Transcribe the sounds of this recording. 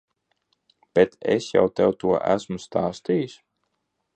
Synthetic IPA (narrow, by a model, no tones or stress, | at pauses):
b̥ɛt̪ɛ̰sja̰wt̪ɛwt̪uɔʔæ̰smust̪aːst̪ijis